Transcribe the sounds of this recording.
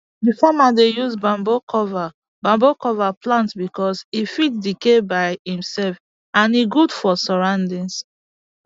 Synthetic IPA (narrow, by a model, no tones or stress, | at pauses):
difamadejuzbãmbokɔva | bãmbokɔvaplãntsbikɔsifit̚dikebaɪhĩmsɛlf | ãniɡudfɔsɔɹãndĩns